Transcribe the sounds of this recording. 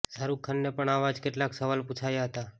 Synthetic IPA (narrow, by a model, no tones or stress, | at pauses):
saɾukʰːanːepəɳaʋad͡ʒkeʈlaksəʋalput͡ʃʰajaɦət̪a